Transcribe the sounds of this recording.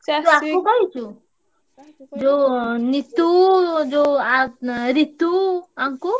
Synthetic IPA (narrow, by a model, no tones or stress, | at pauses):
d͡ʒoakubajt͡ʃu | d͡ʒonit̪ud͡ʒoaɾit̪uaŋku